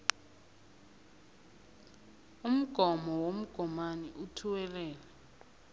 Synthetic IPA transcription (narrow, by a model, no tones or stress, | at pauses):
um̩ɡ̥ʱɔmɔwom̩ɡ̥ʱɔmaniʔutʰuwɛlɛːlɛ